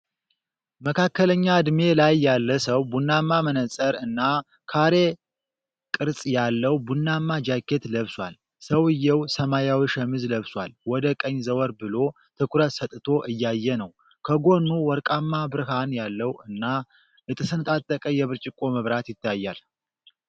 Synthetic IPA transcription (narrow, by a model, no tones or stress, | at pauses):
məkʰakːələɲːad̪me̞lajːalːəsəwbunːamːamənəsʼəɾɨnːa | kʰaɾe̞ | kʼɨɾsʼjalːəwbunːamːad͡ʒakːe̞t̪ləβswa̰l | səwɨjːɛwsəmajawiʃɛmɨzləβswʷa̰lwɔd̪əkʼəɲːzəwɔɾbɨlo̞ | t̪ʰɨkʰʷuɾət̪sət̪ʼɨt̪ʰo̞ʔɨjːajːɛnəw | kʰəɡo̞nːuwɔɾkʼamːabɨɾɨɦanjalːəwɨnːa | ʔɨt̪ʼɨsɨnt̪ʼat̪ʼːəkʼəjɛβɨɾt͡ʃʼɪkʼːo̞məβɾat̪jɪt̪ːajːa̰l